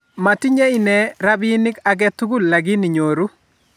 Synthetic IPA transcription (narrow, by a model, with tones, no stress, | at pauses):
ma˨tɪ˦ɲɛ˦i˦˨nɛ˨ɾa˦bɪ˦nɪ˦ka˨ɡɛ˦t̪u˦ɡʊ˦lla˨ɡɪ˦ni˨ɲo˨ɾu˦